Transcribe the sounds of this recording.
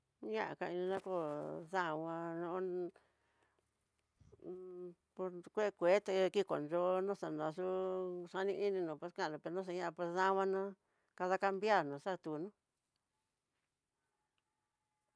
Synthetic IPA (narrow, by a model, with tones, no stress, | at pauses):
ɲã˦ʔã̰˨ka˧i˧ĩ˧nã˦ko˧˨ðã˦˧wã˧nõ˧ʔ | po˧kʷe˦˧kʷe˨˦t̪e˧ki˦ko̰˨nʒo˧nõ˦ʂa˧nã˨˧ʂu˦ʂa˧nĩ˧ʔi˦nĩ˧nũ˨pe˧skã˦˨õ˧pe˧nũ˦s̬a˧ɲã˦ʔã˧pe˧ðã˦˧wʷã˧nã˦ | ka˧ða˧ka˧mbja˦˨nũ˨ʂa˦t̪u˧˨nũ˦